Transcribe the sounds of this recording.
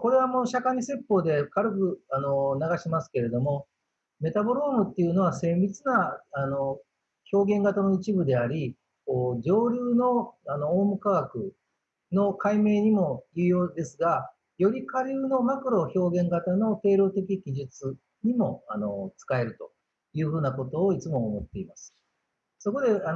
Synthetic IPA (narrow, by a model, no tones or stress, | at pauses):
ko̞ɾe̞β̞amo̞ːɕakaɲ̟ise̞pːo̞ːd̪e̞kaɾɯ̟kɯ̟anonaɡaɕimasɨ̥ke̞ɾe̞d̪o̞mo̞ | me̞t̪abo̞ɾoːmɯ̟t̪ːejɯ̟no̞β̞ase̞ːbʲit͡sɨnaano̞ | ço̞ːɡẽ̞ŋɡat̪ano̞it͡ɕibɯ̟d̪e̞aɾʲi | koːd͡ʑo̞ːɾʲɯːno̞ano̞ːmɯ̟kaɡakɯ̟̰ | no̞kaime̞ːɲ̟imo̞jɯ̟ːjo̞ːd̪e̞sɨɡa | jo̞ɾʲikaɾʲɯːno̞makɯ̟ɾo̞ço̞ːɡẽ̞ŋɡat̪ano̞t̪e̞ːɾo̞ːt̪e̞k̬ʲikʲiʑɨt͡sɨ | ɲ̟imo̞ano̞t͡sɨ̥kae̞ɾɯ̟t̪o̞ | jɯ̟ːɸɯ̟ːnako̞t̪o̞ːit͡sɨmo̞ːmo̞t̪ːe̞imasɨ̥ | so̞ko̞d̪e̞a